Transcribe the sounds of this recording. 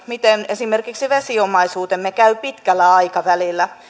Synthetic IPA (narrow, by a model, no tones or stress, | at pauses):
mit̪enesimerkiksiʋesiomɑisuːt̪emːekæypit̪kælːæɑikɑʋælilːæ